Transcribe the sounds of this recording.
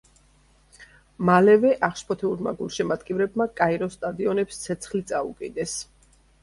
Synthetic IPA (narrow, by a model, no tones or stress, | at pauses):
malɛvɛʔaχʃpʰɔt̪ʰɛuɾma̰ɡulˠʃɛmad̪kʼivɾɛbmakʼaiɾɔst̪ʼad̪iɔnɛpst̪sʰɛt̪sʰχlit̪sʼaṵkʼid̪ɛs